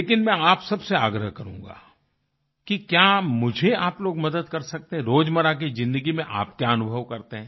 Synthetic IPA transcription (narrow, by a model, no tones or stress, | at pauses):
leːkɪnmɛ̃aːpsɐbseaːɡɾəɦkɐɾṵ̃ːŋɡa̰ː | kikjaːmʊd͡ʒʱeaːploːɡmɐd̪əd̪kɐɾsɐk̚t̪eɦɛ̃ɾoːd͡ʒmɐɾak̬izɪ̃nd̪əɡimẽʔa̰ːpkjaɐnʊbʱəʋkɐɾt̪eɦɛ̃ː